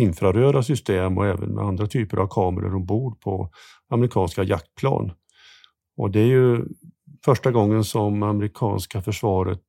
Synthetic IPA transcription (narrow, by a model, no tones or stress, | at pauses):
ɪnfɾaɾøːɾasʏst̪eːmɔ̰ɛːvə̰nmɛ̰and̪ɾat̪ʰyːpəɾʔa̰vkʰɑːməɾə̰ʂɔmbuːɾpʰɔ̰ | aməɾɪkʰɑːnskaja̰k̚t̪̚pʰlɑ̰ːn | ɔd̪ɛæɾjɵ | fœʂʈaɡɔŋːənsɔmamɾɪkʰɑ̰ːnskafœʂvɑːɾə̰t̪